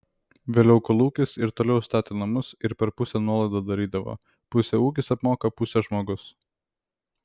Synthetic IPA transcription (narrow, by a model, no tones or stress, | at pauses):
ʋʲeːlʲɛʊkɐlˠuːkʲɪsɪɾt̪oːlʲɛʊst̪ɑːt̪ʲeːnɐmʊsɪɾpʲɛɾpʊsʲɛnuɔlˠɐɪd̪oːd̪ɐɾʲiːd̪ɐʋo̰ː | pʊsʲɛuːkʲɪsɐpmoːkɐpʊsʲɛʒmoːɡʊs